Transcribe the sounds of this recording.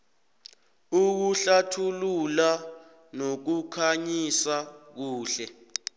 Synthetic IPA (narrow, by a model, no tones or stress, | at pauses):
uk̬uɬatʰulula | nok̬ukʰaɲisak̬uːɬɛ